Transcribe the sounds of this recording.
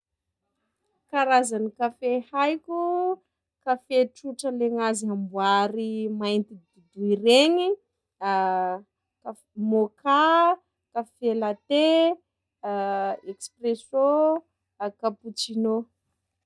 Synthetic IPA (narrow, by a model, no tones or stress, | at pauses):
kaɾazanikafehajkʲu | kafeʈ͡ʂuʈ͡ʂəleŋaziambuaɾimajnt̪id̪ud̪uireɲi | ka | moka | kafelat̪e | ekspreso | kaput͡ʃino